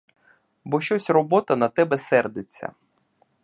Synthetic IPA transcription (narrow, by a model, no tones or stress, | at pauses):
bɔʃt͡ʃɔsʲrɔbɔt̪ɐnɐt̪ɛbɛsɛrd̪et͡sʲːɐ̰